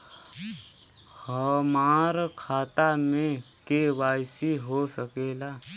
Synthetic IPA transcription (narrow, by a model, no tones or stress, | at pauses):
həmaːɾkʰaːt̪amẽ | kewaːjsiɦosəkeːlaː